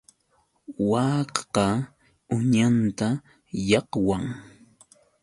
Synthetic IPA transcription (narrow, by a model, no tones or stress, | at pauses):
wɑqqɑ | ʊɲant̪a | jɑqwaŋ